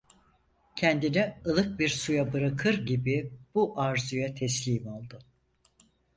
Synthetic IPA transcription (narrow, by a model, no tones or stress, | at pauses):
cʰɛnd̪inɛɯlˠɯk̚biɾsujabɯɾakʰɯɾɟibib̥uʔaɾzujat̪ʰɛslʲiːmalˠd̪ɯ